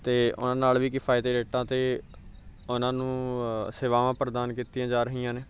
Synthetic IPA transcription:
t̪eːʊ̰nãːnaːlʋiːkɪfʰaːjt̪eːɾeːʈãːt̪eː | ʊnãːnũːseːʋaːʋãːpɾd̪aːnkiːt̪iːãːd͡ʒaːɾəɦiːãːneː

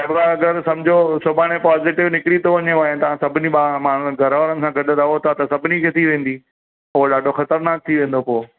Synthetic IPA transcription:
ɐbaɐɡɐɾsɐ̃md͡ʑʱosʊbaːɽ̃epaːzɪʈɪʋnɪkɪɽit̪oʋɐɲeaːɦẽt̪ɐʋ̤ãsɐbʱɪniɓaːmaːɳ̤ʊɡʱɐɾʋəːɾənɪ̆sãɡɐɖʱət̪aɦot̪ʰat̪ɐsɐbʱɪnikʰet̪ʰiʋẽːn̆d̪i | oɦoɗaːɖʱoxɐt̪əɾnaːk̚t̪ʰiʋẽːn̆d̪opoː

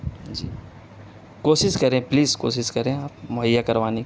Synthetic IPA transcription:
d͡ʒiː | koːsɪskɐɾẽpliːzko̰ːsɪskɐɾẽaːp̚mʊɦəjːakɐɾʋaːni

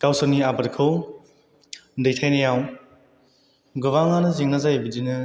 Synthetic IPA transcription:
kawsɔniabɐɾkʰɯw | dejtʰajnɐjaw | ɡɯβaŋanɯziŋnazajbidinɯ

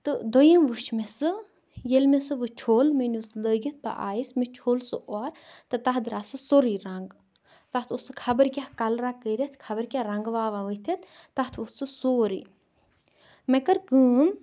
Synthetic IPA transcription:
t̪ɨd̪ojɐmʋɨʃʰmesɨ | jelmesɨʋɨt͡ʃʰoːlmenusləːɡit̪̚ʰba̰ʔa̰ːjismet͡ʃʰoːlsɨʔoɾt̪ɨt̪ɐɦd̪ɾaːsɨsoɾiɾɐŋɡ | t̪ɐt̪ʰusɨkʰɐbɐɾkʲakɐlɾakəɾʲɐt̪ʰkʰɐbɐɾkʲaɾɐŋɡʋaːʋaʋət̪ʰɐt̪ʰt̪ɐt̪ʰot̪sɨsoːɾi | mekɐɾkɨːm

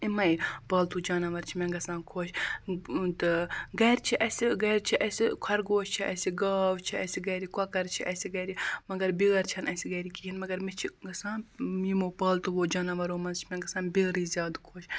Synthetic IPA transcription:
imɐjpɐːlt̪ud͡ʒaːnɐʋɐɾt͡ʃʰimeŋɡɐsãːnkʰoːʃ | t̪ɨɡɐːɾt͡ʃʰiʔɐsiɡɐːɾt͡ʃʰiʔɐsikʷʰɐɾɡoːʃt͡ʃʰiɐsiɡɐːʋt͡ʃʰiɐsiɡɐːɾikɐkɐɾt͡ʃʰiʔɐsiɡɐɾimɐɡɐɾbiɣɐɾt͡ʃʰɐnɐsiɡɐːɾikiɦinmɐɡɐɾmet͡ʃʰiɡɐsãːnmiːmoːpɐːlt̪uʋoːd͡ʒaːnɐʋɐɾoːmɐnzt͡ʃʰimeɡɐsaːnbʲiːɾiːzjaːd̪kʰoːʃ

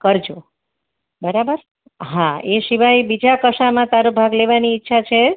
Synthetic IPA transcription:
kəɾd͡ʒo | bəɾabəɾ | ɦãeʃiʋajbid͡ʒakəʃamãt̪aɾobʱaɡleʋaniːtːʃʰat͡ʃʰe

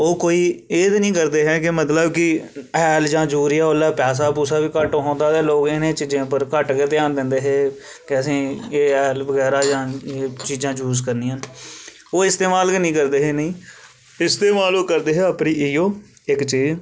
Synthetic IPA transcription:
oːkoːiːeːt̪nĩːkəɾd̪eːɦɛːkɪmət̪ləbkɪɛːld͡ʒãːd͡ʒuːɾijaːolːaːpɛːs̬aːpuːsaːʋiːkəʈːɦõːnd̪aːt̪ɛːloːɡɪnẽːt͡ʃiːd͡ʒẽːpəɾkəʈkeːt̪ɪjaːnd̪ɪnd̪eːɦɛː | kɪəsĩːeːɛːlbəɡɛːɾaːd͡ʒãːeːt͡ʃiːd͡ʒãːd͡ʒuːzkəɾniːaːn | oːɪst̪eːmaːlknĩːkəɾd̪eːɦɛːnəĩː | ɪst̪eːmaːloːkəɾd̪eːɦɛːapniːiːoː | ɪkt͡ʃiːz

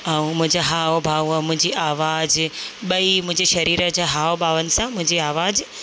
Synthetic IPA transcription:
aːũmʊ̃ɦɪ̃ɲd͡ʑaɦaːbʱaːʋɛ̃ːmʊ̃ɦɪ̃ɲd͡ʑiʔaːʋaːd͡ʑɓɐimʊ̃ɪ̃ɲd͡ʑeʃɐɾiːɾəd͡ʑaːɦaːobʱaːʋənɪ̆sãmʊ̃ɦɪ̃ɲd͡ʑiaːʋaːd͡ʑ

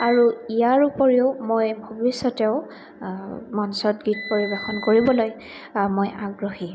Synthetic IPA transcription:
aɹuijaɹupoɹiʊmojbʱobisɔtɛʊ | mɔnsɔtɡitpoɹibɔxɔnkoɹibɔloj | mojaɡɹoxi

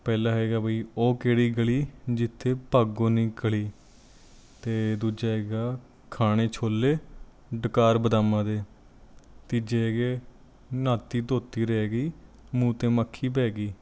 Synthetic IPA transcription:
pɛːlãːɦɛːɡaːbʱəiːoːkeːɽiːɡəɭiːd͡ʒɪt̪ʰːeːpaːɡõːniːkəɭiː | t̪eːd̪uːd͡ʒaːɦɛːɡaː | kʰaːɽ̃eːt͡ʃʰoːlːeː | ɖəkaːɾbəd̪aːmãːd̪eː | t̪id͡ʒeːɡeː | naːt̪iːd̪oːt̪iːɾɛːɡiː | mũːt̪ẽːmakʰːiːp̬ɛːɡiː

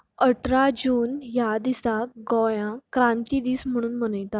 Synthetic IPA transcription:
əʈɾad͡ʑuːnjad̪isaɡɔjãkɾãnt̪iːd̪iːsm̤əɽ̃uːnm̤ənəjt̪a

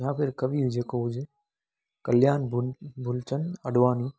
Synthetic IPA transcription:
jãːpʰɪɾkəʋiːd͡ʒeːkoːʊd͡ʒe | kəljaːnbʱʊlt͡ʃənəɽʋaːniː

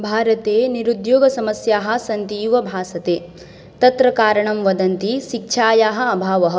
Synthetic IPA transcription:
bʱaːɾɐt̪eːniɾud̪joːɡɐsɐmɐsjaːɦɐ̆sɐnt̪iːʋɐbʱaːsɐt̪eː | t̪ɐt̪ɾɐkaːɾɐɳɐmʋɐd̪ɐnt̪iʃikʃʰaːjaːɦɐ̆ɐbʱaːʋɐɦɐ̆

